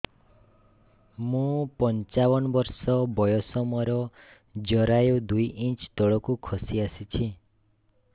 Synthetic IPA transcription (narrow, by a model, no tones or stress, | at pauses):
mũpɔnt͡ʃawɔnɔbɔɾsɔbɔjɔsɔmɔɾɔ | d͡ʒɔɾajud̪ujʔĩnt͡ʃt̪ɔɭɔkukʰɔsiasit͡ʃʰi